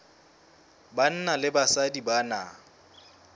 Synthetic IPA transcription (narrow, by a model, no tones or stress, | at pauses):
ban̩nalɪbasadibana̰